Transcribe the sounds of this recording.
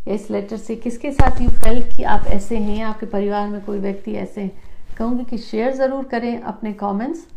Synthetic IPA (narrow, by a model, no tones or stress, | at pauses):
ɪslɛːʈəɾsekɪskesaːt̪ʰjũːɐlkiʔaːpɛ̰ːseɦɛ̃aːp̚kepɐɾɪʋaːɾmẽkoːiʋjɐk̚t̪iɛ̰ːseɦɛ̃kɐɦũːɡikiʃeːəɾzɐɾuːɾkɐɾẽʔɐ̰pnekɔːmɛ̃ɳʈs